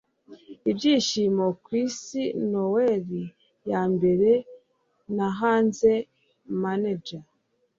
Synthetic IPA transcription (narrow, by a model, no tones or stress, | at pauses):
ibɟiːʃimo̞kwiːsino̞weɾi | jambe̞ɾe | naɦaːnze | maned͡ʒa